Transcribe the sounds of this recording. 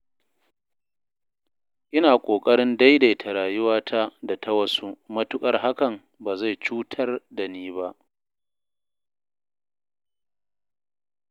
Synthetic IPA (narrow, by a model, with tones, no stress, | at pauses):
ʔɪ˦naː˨kʷʼoː˨kʼɐ˦ɽɪ˦nda˦jda˨jtʰa˨ɾaː˨jʊ˦waː˦tʰa˦da˨tʰɐ˦wɐ˦su˦mɐ˦tʊ˦kʼɐ˦rɦa˦kɐ˨m | baː˨za˦˨jt͡ʃuː˦tʰɐ˦rda˨niː˦ba˦ʔ